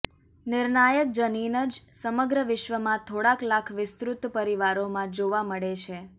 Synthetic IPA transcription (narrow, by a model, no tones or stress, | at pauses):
nɪɾnajək̚d͡ʒəninəd͡ʒsəməɡɾəʋɪʃʋəmãt̪ʰoɽaklakʰʋɪst̪ɾut̪pəɾiʋaɾomãd͡ʒoʋaməɭet͡ʃʰe